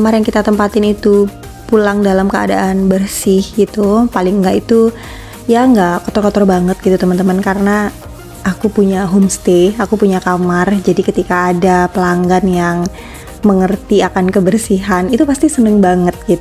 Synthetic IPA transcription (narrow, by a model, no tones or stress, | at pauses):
kəmarjaŋkit̪at̪əmpat̪ɪnit̪u | pulaŋdalamkəa̰da̰ʔanbərsɪhɡit̪upalɪŋɡaʔit̪u | jaŋɡakɔt̪ɔrkɔt̪ɔrbaŋət̪̚ɡ̥it̪ut̪əmənt̪əmankaɾəna | akupuɲaɦomst̪eakupuɲakamard͡ʒadikət̪ikaːdapəlaŋɡanjaŋ | məŋərt̪iakankəbərsiɦanit̪upast̪isənəŋbaŋət̪̚ɡit̪u